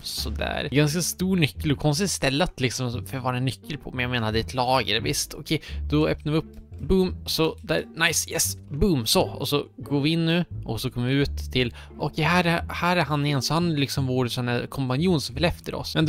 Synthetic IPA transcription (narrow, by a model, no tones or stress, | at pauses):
sɔd̪æ̰ːɾɡanskast̪uːɳʏkːəlɔkʰɔns̬t̪ɪt̪st̪ɛlːat̪lɪksɔmfœɾvɑːɾaɛnːʏkʰːəlpʰɔmɛnjɑɡmeːnad̪ɛɛt̪ʰlɑːɡəɾvɪst̪ʰɔkʰɛjd̪̥ɔœ̰ːpnaɾvɪɵpːbʉmɔsɔd̪ænaɪsjɛsbʉmsɔɔ̰sɔɡoːɾvɪɪnːʉ̟ːʔɔsɔkʰɔmːɪʉːt̪ʰːɪl | ʔɔkʰɛɦæːɾhæːɾæɾɦanːɪjɛnːsɔhanlɪksɔmvoːɾsɔnæɾkʰɔmpanjuːnsɔmfɛlɛft̪əɾɔ̰smɛnd̪